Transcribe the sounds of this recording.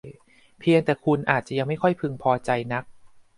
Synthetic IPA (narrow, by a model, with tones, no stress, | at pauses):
pʰi˧əŋt̪ɛː˨˩kʰu˧nʔaː˨˩t̪̚t͡ɕa˨˩ʔja˧ŋma˥˩jkʰɔ˥˩jpʰɯ˧ŋpʰɔː˧t͡ɕa˧jna˦˥k̚